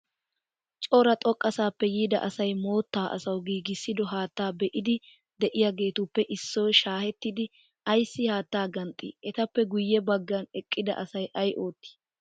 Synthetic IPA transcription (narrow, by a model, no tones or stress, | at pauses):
t͡ʃʼoɾɐt̪ʼɔkʼːɐsaːpːɛjiːd̪ɐ̰ʔɐsɐjmo̞ːt̪ːaːʔɐ̰sɐwɡiːɡɪsːɪd̪ɔɦaːt̪ːaːbɛʔɪd̪ɪ | d̪ɛʔɪjaɡe̞ːt̪ʊpːɛʔɪsːɔjʃaːhɛt̪ːɪd̪ɪ | ʔɐjsːɪhaːt̪ːaːɡɐnt̪ʼːḭːʔɛt̪ɐpːɛɡʊjːɛbɐɡːɐnɛkʼːɪd̪ɐ̰ʔɐsɐjʔɐjʔo̞ːt̪ːi̥ː